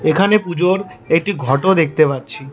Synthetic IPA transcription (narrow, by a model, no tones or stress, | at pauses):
ekʰanepud͡ʑoɾek̚ʈiɡʱɔʈod̪ek̚ʰt̪epatːɕʰi